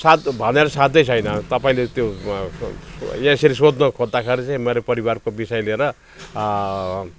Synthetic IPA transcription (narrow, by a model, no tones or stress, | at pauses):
sat̪bʱʌneɾʌsãd̪ːʌjt͡sʰʌjnʌt̪ʌpaĩlet̪jo | jãseɾisod̪nʌkʰod̪ːakʰʌɾit͡sãĩmeɾepʌɾibarkobisʌjleɾʌ